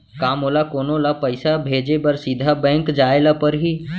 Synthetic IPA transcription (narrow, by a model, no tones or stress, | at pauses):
kaːmoːlakoːnõlapəɪsabʱeːd͡ʒebəɾsid̪ʱabɛ̃ːŋkd͡ʒaːelapəɾɦiː